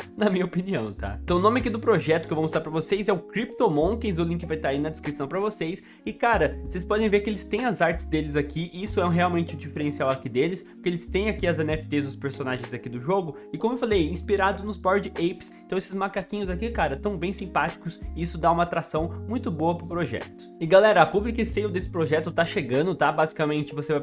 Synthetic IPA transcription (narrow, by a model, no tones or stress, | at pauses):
nɐmĩɲɐopiniɐ̰̃w̃t̪a̰t̪ɐ̃w̃ʊnõmɪakid̪ʊpɾoʒɛt̪ʊkɪewvɐ̃oszaɾpɾɐvosejzɛʊkɾip̚t̪õmõkẽj̃zʊlĩŋkɪvajt̪aɾainɐd̪ɪskɾisɐ̃w̃pɾɐvosejs | ɪkaɾɐosejspɔd̪ẽj̃veɾkɪelɪst̪ẽj̃ɐzaɾt͡ʃɪ̥zd̪elɪzakiisʊɛũɦeawmẽnt͡ʃɪd͡ʒifeɾẽsiawɐkid̪elɪspkelɪst̪ẽj̃akiɐzẽnɛfɪ̥t̪ezʊspeɾsonaʒẽj̃zakid̪ʊʒoɡʊ | ɪkõmʊewfalejĩspiɾad̪ʊnʊzbɔɾd͡ʒɪejpsnt̪ɐ̃w̃esɪzmakakĩɲʊzakikaɾɐt̪ɐ̃w̃bẽj̃sĩpat͡ʃi̥kʊsisʊd̪aũmɐat̪ɾasɐ̃w̃mũj̃t̪ʊboɐpɾʊpɾoʒɛ̰t̪ʊ̥ɪɡalɛɾɐapublikɪsejʊd̪esɪ̥pɾoʒɛt̪ʊt̪aʃeɡɐ̃nd̪ʊt̪abazikamẽnt͡ʃɪvosevaj